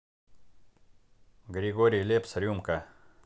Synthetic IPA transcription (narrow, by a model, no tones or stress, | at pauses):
ɡɾʲɪɡoɾʲɪjlʲepsɾʲumkə